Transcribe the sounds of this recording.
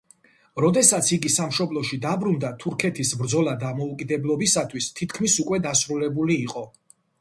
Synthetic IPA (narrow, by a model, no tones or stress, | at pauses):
ɾɔd̪ɛsat̪sʰiɡisamʃɔblˠɔʃid̪abɾund̪at̪ʰuɾkʰɛt̪ʰisbɾd̪zɔlˠad̪amɔukʼid̪ɛblˠɔbisat̪ʰwist̪ʰit̪ʰkʰmisukʼwɛd̪asɾulɛbuliːqʼɔ